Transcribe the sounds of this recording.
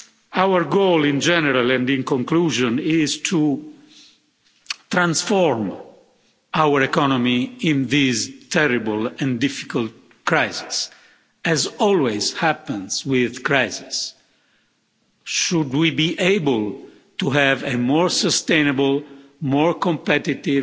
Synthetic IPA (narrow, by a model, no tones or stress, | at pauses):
awəɹɡolĩnd͡ʒɛnəɾalɛ̃ndĩŋkɔ̃ŋkluːʒɔ̃nɪzt̪ʰu | t̪ɾãnsfɔɹm | ʔawəɾɛkɔnɔmiĩnðiztʰɛɾibəlɛ̃ndɪfi̥kalt̚ | kɾajzi̥s | ɛzɔlwez̥hæpə̃nzwɪðkɹajzis | ʃudwibiʔeɪbəl | tuɦɛvemɔɹsəst̪ẽjnabəlmɔɹkɔ̃mpɛt̪it̪i